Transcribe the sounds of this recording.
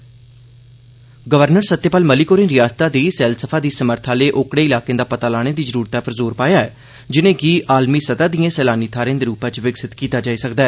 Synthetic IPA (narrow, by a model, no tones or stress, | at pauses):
ɡəʋəɾnəɾsət̪ːeːpaːlməliːkoːɾɪ̃ːnɾɪjaːst̪aːd̪iːsɛːlsəpʰaːd̪iːsəməɾt̪ʰaːleːʔoːkɽeːɪlaːkẽːd̪aːpət̪aːlaːɽ̃eːd̪iːzəɾuːɾt̪aːpəɾzoːɾpaːjaːɛː | d͡ʒɪnẽːɡiːʔaːlmiːsəd̪aːd̪ijãːsɛːlaːniːt̪ʰaːɾẽːnd̪eːɾuːpãt͡ʃʋɪksɪt̪kiːt̪aːd͡ʒaːiːsəkd̪aːɛː